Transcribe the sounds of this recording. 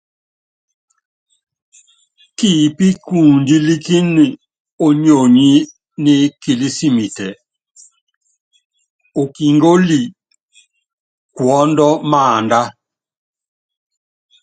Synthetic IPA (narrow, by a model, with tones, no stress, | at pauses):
ki˦˨pi˦kuː˨ndi˦li˦ki˦ni˨ | o˦ɲo˨ɲi˦ | ni˦ki˨li˦si˦mi˨tɛ˨ | o˨ki˨ŋɡo˦li˨ | kwɔ˦ndɔ˦maː˦˨nda˦